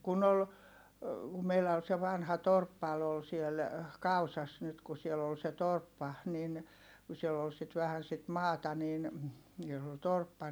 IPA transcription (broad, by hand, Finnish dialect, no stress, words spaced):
kun ol meilæ ol se ʋɑnhɑ torpːɑl ol siel kɑusɑs nyt ku siel ol se torpːɑ nin ku sielː ol sit ʋæhæn sit mɑːtɑ niːn jos ol torpːɑ